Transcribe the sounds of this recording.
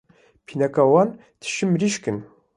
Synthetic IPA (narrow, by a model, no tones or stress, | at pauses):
pʰinakawɑn | t̪ʰɨ̥ʃimɾiʃkɨn